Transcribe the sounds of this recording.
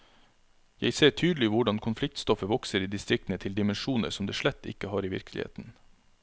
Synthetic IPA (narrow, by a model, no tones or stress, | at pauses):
jæ̰ɪseːʈʰyːd̪l̩ɪʋʊɖɑnkʰʊnflɪk̚t̪st̪ɔfəʋɔksəɾiːd̪ɪst̪ɾɪk̚t̪n̩ət̪ʰɪld̪ɪmɛnʃuːnə̰ɾsɔmd̪eːʃɭɛt̪ːɪ̰kəhɑːɾiːʋɪ̰ɾklɪ̰ḛːt̪n̩